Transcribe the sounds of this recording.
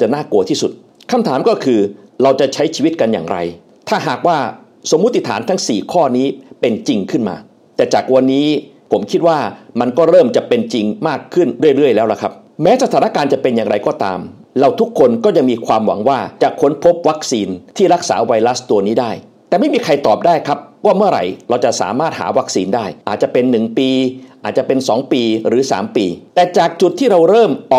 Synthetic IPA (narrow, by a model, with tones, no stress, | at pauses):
t͡ɕa˨˩naː˥˩ku˧iː˥˩su˨˩t̪̚ | kʰa˧mt̪ʰaː˩˦mkɔː˥˩kʰɯː˧ɾa˧wt͡ɕa˨˩t͡ɕʰa˦˥jt͡ɕʰiː˧wi˦˥t̪̚ka˧nja̰ː˨˩ŋɾa̰˧j | t̪ʰaː˥˩ɦaː˨˩k̚waː˥˩ | so˩˦mː˦˥t̪ʰːi˨˩t̪ʰaː˩˦nt̪ʰa˦˥ŋsiː˨˩kʰɔː˥˩niː˦˥pe˧nt͡ɕi˧ŋkʰɯ˥˩nma̰ː˧ | t̪ɛː˨˩t͡ɕaː˨˩k̚wa˧nːiː˦˥pʰo˩˦mkʰi˦˥t̪̚waː˥˩ma˧nkɔː˥˩ɾɤː˥˩mt͡ɕa˨˩pe˧nt͡ɕi˧ŋmaː˥˩kʰːɯ˥˩nɾɯ˥˩əjɾɯ˥˩əjlɛː˦˥wla˨˩kʰa˦˥p̚ | mɛː˦˥sa˧t̪ʰaː˩˦na˥kaː˧nt͡ɕa˨˩pe˧njaː˨˩ŋɾa˧jkɔː˥˩t̪a̰ː˧m | ɾa˧wt̪ʰu˦˥kʰːo˧nkɔː˥˩ja˧ŋmiː˧kʰwaː˧mwa̰˨˩˦ŋwaː˥˩t͡ɕa˨˩kʰu˦˥npʰo˦˥p̚wa˦˥k̚siː˧nt̪ʰiː˥˩ɾa˦˥k̚sa̰ː˩˦wa˧jɾa˦˥st̪u˧ɐniː˦˥daː˥˩j | t̪ɛː˨˩ma˥˩jmiː˧kʰa˧jt̪ɔː˨˩p̚daː˥˩jkʰa˦˥p̚waː˥˩mɯ˥˩ɐɾa̰˨˩jɾa˧wt͡ɕa˨˩ʔsa̰ː˩˦maː˥˩t̪̚ha̰ː˩˦wa˦˥k̚siː˧ndaː˥˩jʔaː˨˩t̪̚t͡ɕa˨˩pe˧nːɯ˨˩ŋpiː˧ʔaː˨˩t̪̚t͡ɕa˨˩pe˧nsɔː˩˦ŋpiː˧ɾɯː˩˦sa̰ː˩˦mpḭː˧t̪ɛː˨˩t͡ɕaː˨˩k̚t͡ɕu˨˩t̪ʰːiː˥˩ɾa˧wɾɤː˥˩mʔɔː˨˩